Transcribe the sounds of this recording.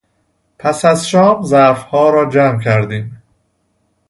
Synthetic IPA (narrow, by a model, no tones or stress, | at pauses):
pʰæsæzʃɒːmzæfhɒːɾɒːd͡ʒæːmcʰæɾd̪iːm